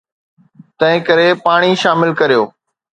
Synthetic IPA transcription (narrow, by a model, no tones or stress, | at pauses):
t̪ɐ̃ɦɪ̃kɐɾepaːɽ̃iʃaːmɪlkɐɾijoː